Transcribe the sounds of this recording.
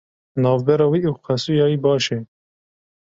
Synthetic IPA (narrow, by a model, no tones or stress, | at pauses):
nɑːvbɛɾɑːwiːʔuwqɛsujɑːwiːbɑːʃɛ